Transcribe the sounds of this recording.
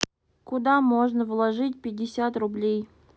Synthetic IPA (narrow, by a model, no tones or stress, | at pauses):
kʊd̪amoʐnəvlˠɐʐɨtʲpʲɪdʲːɪsʲat̪rʊblʲej